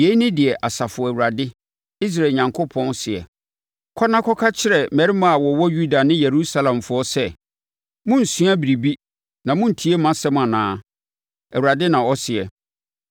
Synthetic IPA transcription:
je˨˦i˦nɪ̃˦dɪ˨ɛ˨ʔa˨sa˨fʊ˨ɔ˨æ˨wu˨a˨dɪ˦ | i˦s̬ɾa˨ɲã˨ŋkʰo˦pʰɔ̃˦n˦sɪ˨ɛ̰˨ | kʰɔ˦nã˦kʰɔ˦kʰa˦t͡ɕʰɪ˦ɾɛ˨mæ˨ɾi˦mã˦a˨wɔ˨wɔ˦ju˦da˨nɪ̃˦je˨ɾu˦sa˦lã˨mfʊ˦ɔ˦sɛ˦ | mʊ̃˦n̩˨sũ˦a˦bi˨ɾi˨bi˦ | nã˨mʊ̃˦n̩˨tʰi˨˦e˦mã˦sɛ˦m˦a˨nãː˨˦ | æ˨wu˨ɾa˨dɪ˦nã˨ɔ˦sɪ˨ɛ˨

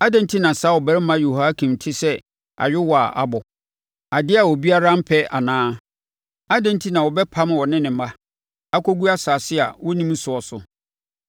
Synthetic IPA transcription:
a˦dɛ̃˦n˦tʰi˦nã˨saː˦wɔ˨bɛ˦ɾɪ˦mã˦jo˨ha˦kʰĩ˨mtʰɪ˦sɛ˦ | a̰˨ɥᶣɪ˦wɔ˨a̰˨ʔa̰˦˨bɔ˨ | a˨dɪ˦a˨wɔ˨bi˦a˦ɾa˦m̩˦pʰɛ˦a˨nãː˦ | a˦dɛ̃˦n˦tʰi˦nã˨wɔ˨bɛ˦pʰã˦m˦wɔ˨nɪ̃˦nɪ̃˨˦ma˦ | a˦kʰo˦ɡu˦a˦saː˨sɪ˦a̰˨wɔ˦nĩ˦m̩˦sʊ˨ɔ˨sʊ̰˨

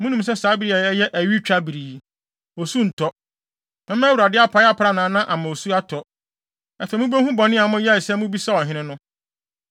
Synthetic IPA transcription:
mʊ̃˦nũ˨ms̬ɛ˦saː˨˦bi˨ɾi˨a˨ɛ˦jɛ˦ʔæ˨ɥi˦t͡ɕᶣa˦bi˨ɾiː˨ | o˨su˦n̩˨tʰɔ˦ | mɛ̃˦m̃˦wu˨ɾa˨dɪ˦a˦pʰa˨˦ja˦pʰɾa˦nãː˨˦nã˦ʔa˨mã˨o˨su˦a˦tʰɔ˨ | ɛ˨fɛ˨mũ˦be˦hũ˦bɔ˨nɪ̃˦a˨mʊ̃˦jɛ˦˨sɛ˦mʊ̃˦bi˦sa˦ɔ˨ɦɪ̃˦nɪ̃˦nʊ̃˦

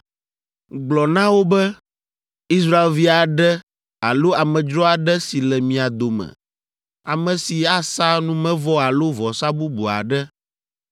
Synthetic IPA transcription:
ɡ͡blɔ˨nã˦wo˦bɛ˦ | i˦s̬ɾa˦e˦lvi˦a˨ɖɛ˦ | a˨lo˦a˨mɛ̃˨d͡ʒɾɔ˦a˨ɖɛ˦si˨lɛ˨mĩ˨a˨d̪o˨mɛ̰˨ | a˨mɛ̃˨si˨a˦sa˦nũ˦mɛ̃˦vɔ˦a˨lo˦vɔ˨sa˦bu˦bṵ˨a̰˨ɖɛ˦

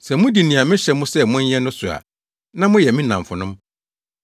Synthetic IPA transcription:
sɛ˨mʊ̃˦di˨nĩ˨a˨mɪ̃˦ɕɛ˨mʊ̃˦sɛ˦mʊ̃˦ɲ̩˦jɛ˦nʊ̃˦sʊ˨a̰˨ | nã˦mʊ̃˦jɛ˨mɪ̃˦nã˨mfʊ˨nʊ̃˦m

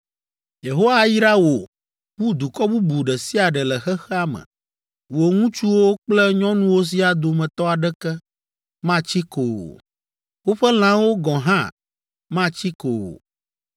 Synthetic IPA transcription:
je˨ɦo˦wa˨ji˦ɾa˦wo˨ | ɸu˦d̪u˨kɔ˦bu˦bu˨ɖɛ˨si˦a˨ɖɛ˨lɛ˨xɛ˦xɛ˦a˦mə̰̃˨ | wo˨ŋũ˦t͡ʃu˦wo˦k͡plɛ˦ɲɔ̃˦nũ˦wo˦s̬i˦a˨d̪o˨mɛ̃˨t̪ɔ˦a˨ɖɛ˦kɛ˦ | mã˦t͡ɕi˦ko̰˨ | wo˦ɸɛ˦l̃ã˦wo˦ɡɔ̃˨ɦã̰˦ | mã˦t͡ɕi˦ko̰˨

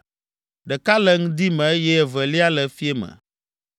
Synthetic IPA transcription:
ɖɛ˨ka˦lɛ˦ŋũ˦d̪i˦mɛ̃˨e˦jɛ˦˨vɛ˨li˦a˦lɛ˨fi˦e˦mɛ̰̃˨

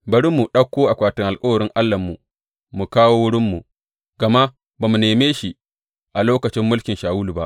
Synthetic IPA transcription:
bɐ˦ɽɪ˦mːu˨ɗɐ˦kʷːoː˦ʔa˨kʷaː˨tɪ˦ŋʔa˨lkʼɐ˦wɐ˨ɾɪ˦ŋʔa˦lːɐ˨mːu˨ | mu˨kaː˦woː˦wʊ˦ɽɪ˦mːu˨ | ɡɐ˨ma˦ | baː˨mu˨neː˨meː˦ʃi˦ | ʔa˨loː˦kɐ˨t͡ʃɪ˦mːʊ˦lkʲɪ˨nʃaː˨wʊ˦lu˨ba˦ʔ

